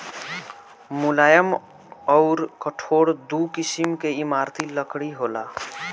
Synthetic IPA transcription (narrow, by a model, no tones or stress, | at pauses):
mʊlaːjəm | ɔʊɾkəʈʰoːɽd̪ukɪsimkeimaːɾt̪ʰiləkɽiɦoːlaː